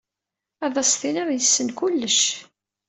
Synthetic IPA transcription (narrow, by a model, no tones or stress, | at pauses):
ɑðˤɑsθinæðjəsːənkulːəʃ